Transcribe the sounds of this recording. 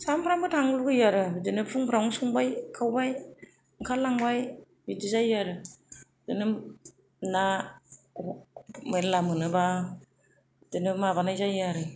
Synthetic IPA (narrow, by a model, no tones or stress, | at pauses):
sampʰɾambɯtʰaŋluɡɯjaɾɯdɯnɯpʰuŋpʰɾawŋsuŋbajkʰawbaj | ɯŋkʰalaŋbaj | midizajːaɾɯ | dɯnɯ | na | melamɯnɯba | dɯnɯmaβanajzajaɾɯ